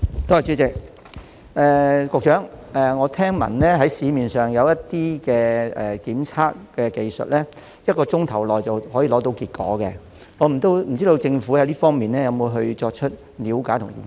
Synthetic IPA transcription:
t̪o˧˥˨t͡ʃyː˨˥t͡sɪ˨k̚ | ɛː˨kʊ˨˧k̚t͡ʃœː˨˥ŋɛː˨˩ŋɔː˨˧t̪ʰɛː˥ŋmɐ̰˨˩nlɛː˥ɦɐ˨˥jsiː˨˧miː˨˩nsœː˨ŋjɐ˨˧wjɐ˥tt̪iː˥kɛː˧ɛ̰˨˩kiː˨˥mt͡sʰaː˥k̚kɛː˧ke˨jsɵ̰˨t̚lɛː˥ | jɐ˥t̚kɔː˧t͡sʊ˥ŋt̪ʰɐ˨˩wlɔː˨˩jt͡sɐ˨whɔː˨˥jiː˨˧lɔː˨˥t̪o˧wkiː˧t̚kɔ̰ː˨˥kɛ˧ | ŋɔː˨˧m̩˨˩t̪o˥wm̩˨˩t͡si˥to˧wt͡sɪ˧ŋfu˨˥hɐ˨˥jliː˥fɔː˥ŋmiː˨nlɛː˥jɐ˨˧wmo˨˧jɦɵ˧ɥt͡ʃɔː˧k̚t͡ʃʰɵ˥t̚ | liː˨˧wkaː˨˥jt̪ʰʊ˨˩ŋḭ˨˩

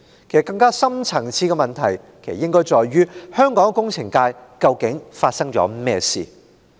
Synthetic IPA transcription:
kʰe˨˩sɐ˨kːɐ˧ŋkaː˥sɐ˥mt͡sʰɐ˨˩ŋt͡sʰiː˧kɛ˧mɐ˨nt̪ʰɐ˨˩jkʰe˨˩sɐ˨˩jɪ˥ŋkɔː˥jt͡ʃɔː˨jɥyː˥hœː˥ŋkɔː˨˥ŋkʊ˥ŋt͡sʰɪ˨˩ŋkaː˧jkɐ˧wkɪ˨˥ŋfaː˧t̚sɐ˥ŋt͡ʃɔ̰ː˨˥mɛː˥˧sḭː˨

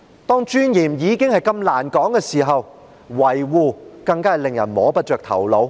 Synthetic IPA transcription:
t̪ɔː˥ŋt͡ʃyː˥njiː˨˩mjiː˨˧kɪ˥ŋhɐ˨jkɐ˧mlaː˨˩nkɔː˨˥ŋkɛː˧siː˨˩ɦɐ˨w | wɐ˨˩jwuː˨˧kɐ˧ŋkaː˥˨lɪ˨ŋjɐ˨˩nmɔː˨˥pɐ˥t̚t͡ʃœː˨k̚t̪ʰɐ̰˨˩wlo˨˧˥w

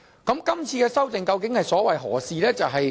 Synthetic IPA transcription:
kɐ˨˥mkɐ˥mt͡sʰiː˧kɛː˧sɐ˥wt͡sɪ˨ŋkɐ˧wkɪ˨˥ŋhɐ˨jsɔː˨˥wɐ˨jɦɔ̰ː˨˩siː˨lɛː˥t͡sɐ˨wɦɐ˨j

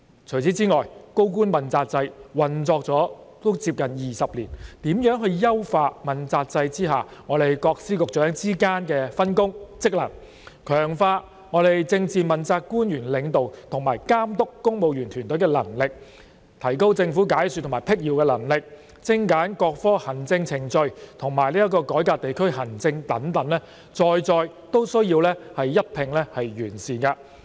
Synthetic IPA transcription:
t͡ʃʰɵ˨˩jt͡sʰiː˨˥t͡siː˥ŋɔː˨jko˥wkuː˥nmɐ˨nt͡saː˧t̚t͡sɐ˧jwɐ˨nt͡sɔː˧k̚t͡sɔː˨˥t̪o˥wt͡siː˧p̚kɐ˨njiː˨˩sɐ˨p̚lḭː˨˩nt̪iː˨˥mjœː˨˥ŋɦɵ˧ɥjɐ˥wfaː˧t̚mɐ˨nt͡saː˧t̚t͡sɐ˧jt͡siː˥ɦaː˨ŋɔː˨˧t̪e˨jkɔː˧k̚siː˥kʊ˨k̚t͡ʃœː˨˥ŋt͡siː˥kaː˥nkɛː˧fɐ˥nkʊ˥ŋt͡sɪ˥k̚lɐ˨˩n | kʰœː˨˩ŋfaː˧ | ŋɔː˨˧t̪e˨jt͡sɪ˧ŋt͡siː˨˧mɐ˨nt͡saː˧kkːuː˥njyː˨˩nlɪ˨˧ŋt̪o˨wt̪ʰʊ˨ŋmaː˨˩jkaː˥mt̪ʊ˥kːʊ˥ŋmo˨wjyː˨˩nt̪ʰyː˨˩nt̪ɵ˨˥ɥkɛː˧lɐ̰˨˩ŋlɪ˨k̚ | t̪ʰɐ˨˩jko˥wt͡sɪ˧ŋfu˨˥kaː˨˥jsyː˨t̪ʰmaː˨˩pʰɪ˥k̚jiː˨˧wkɛː˧lɐ˨˩ŋlɪ˨k̚ | t͡sɪ˧˥ŋkaː˨˥nkɔː˧k̚fɔː˥hɐ˨˩nt͡sɪ˧ŋt͡sʰɪ˨˩ŋt͡ʃɵ˧ɥt̪ʰʊ˨˩ŋmaː˨˩jliː˥jɐ˥t̚kɔː˧kɔː˨˥jkaː˧t̚t̪e˨jkʰɵ˥ɥhɐ˨˩nt͡sɪ˧ŋt̪ɐ˨˥nt̪ɐ˨˧˥nlɛː˥ | t͡sɔː˧jt͡sɔː˧j | t̪o˥wsɵ˥ɥjiː˧wlɛː˥hɐ˨jːɐ˥t̚pʰɪ˨˩ŋlɛ˥hɐ˨jɥyː˨˩nsiː˨˩nkɐ˧

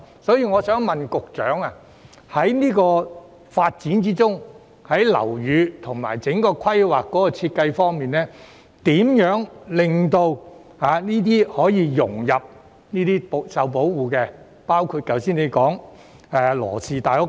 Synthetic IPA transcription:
sɔː˨˥jiː˧ŋɔː˨˧sœː˨˥ŋmɐ˨nkʊ˨k̚t͡ʃœ̰ː˨˥ŋa˨ | hɐ˨˥jniː˥kɔː˧ | faː˧t̚t͡siː˨˥nt͡siː˥t͡sʊ˥ŋ | hɐ˨˥jlɐ̰˨˩wjyː˨˧t̪ʰʊ˨˩ŋma̰ː˨˩jt͡sɪ˨˥ŋkɔː˧kʰɐ˥jwaː˨kːɔː˨˥kɔː˧t͡sʰiː˧t̚kɐ˧jfɔː˥ŋmiː˨nlɛː˥ | t̪iː˨˥mjœː˨˥ŋlɪ˨ŋt̪o˧w | aː˨˧niː˥t̪̬iː˥hɔː˨˥jiː˨˧jʊ̰˨˩ŋjɐ˨p̚ | niː˥t̪iː˥psɐ˨wp̬o˨˥wwuː˨˩kɛː˧ | paː˥wkʰuː˧t̚kɐ˨wsiː˥nle˨˧jkɔː˨˥ŋ | ɛː˨˧lɔ̰ː˨˩siː˨t̪aː˨˩jʊ˥

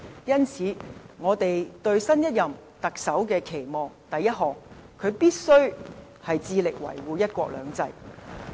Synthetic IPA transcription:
jɐ˥nt͡sʰiː˨˧˥ŋɔː˨˧t̪e˨jt̪ɵ˧ɥsɐ˥njɐ˥t̚jɐ˨m | t̪ɐ˨k̚sɐ˨˥wkɛː˧kʰe˨˩jmɔː˨ŋt̪ɐ˨jːɐ˥t̚ɦɔː˨˩ŋ | kʰɵ˨˧ɥpiː˥t̚sɵ˥ɥ | hɐ˨jt͡siː˧lɪ˨k̚wɐ̰˨˩jwuː˨˧jɐ˥t̚kʷɔ̰ː˧k̚lœ̰ː˨˧ŋt͡sɐ˧j

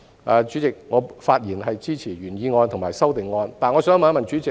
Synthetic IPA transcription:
ʔaː˧t͡ʃyː˨˥t͡sɪ˨k̚ŋɔː˨˧faː˧t̚jiː˨˩nɦɐ˨jt͡siː˥t͡sʰiː˨˩ɥyː˨˩njiː˨˧ŋɔː˧nt̪ʰmaː˨jsɐ˥wt̪ɪ˨ŋːɔː˧nt̪aː˨˧nŋɔ˨˧sœː˥ŋ˥˧maː˨˧˥mɐ˨nt͡ʃyː˨˥t͡sɪ˨

